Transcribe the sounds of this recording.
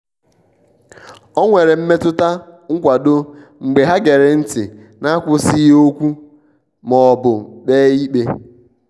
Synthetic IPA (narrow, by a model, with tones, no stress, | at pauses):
ɔ˦ŋʷe˨ɾe˨m̩˦me˦tʊ˦ta˦ŋ̩˦kʷa˨do˦ŋ͡m̩˨ɡ͡be˨ɦa˦ɡe˨ɾe˨n̩˦tɪ˨ | na˦kʷʊ˦si˦jo˦kʷu˦ | mɔ˨bʊ˨ɗe˦i˦k͡pe˦